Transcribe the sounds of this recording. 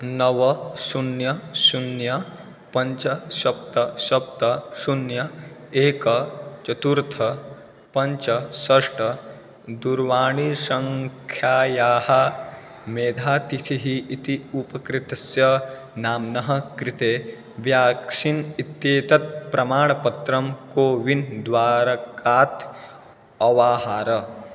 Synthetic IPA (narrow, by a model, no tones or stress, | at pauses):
nɐʋɐsunjɐsunjɐ | pɐɲt͡ʃɐʃɐp̚t̪ɐʃɐp̚t̪ɐsunjɐ | eːkɐt͡ʃɐt̪uɾt̪ʰɐ | pɐɲt͡ʃɐsɐʂʈɐ | d̪uɾʋaːɳ̃isɐŋkʰjaːjaːhɐ | meːd̪ʱaːt̪it̪ʰiɦiːt̪iupɐkɾit̪ɐsjɐ | naːmnɐɦɐ̆kɾit̪eː | ʋjaːksinit̪jeːt̪ɐt̪̚pɾɐmaːɳ̃ɐpɐt̪ɾɐmkoːʋind̪ʋaːɾɐkaːt̪ | ɐʋaːɦaːɾɐ